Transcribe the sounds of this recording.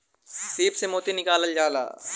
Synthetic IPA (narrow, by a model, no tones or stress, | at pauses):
seːpsemoːt̪enɪkaːləld͡ʒaːla̰ː